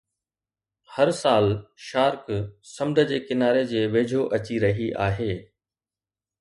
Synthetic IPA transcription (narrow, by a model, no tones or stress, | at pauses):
hɐɾsaːlʃaːɾksɐmd̪ʱəd͡ʑeːkɪnaːɾed͡ʑeːʋeːd͡ʑʱoʔɐt͡ɕiɾɐɦiʔa̰ːɦeː